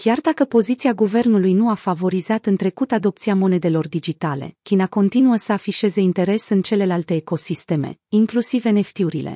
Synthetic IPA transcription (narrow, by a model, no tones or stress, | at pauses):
kʲjard̪akəpo̞zit̪siaɡuve̞rnulujnuafavo̞ɾizat̪ɨnt̪ɾe̞kut̪ad̪o̞p̚t̪siamo̞ne̞d̪e̞lo̞rd̪id͡ʒit̪ale̞̰kʲinako̞nt̪inuəsəafiʃe̞ze̞int̪e̞ɾe̞sɨnt͡ʃe̞le̞lalt̪e̞ːko̞sist̪e̞me̞̰iŋklusive̞ne̞ft̪iuɾḭle̞̰